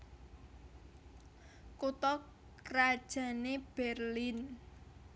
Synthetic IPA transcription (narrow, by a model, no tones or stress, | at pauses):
kut̪ɔ | kɾad̥ʒ̥a̤neb̥ɛrlin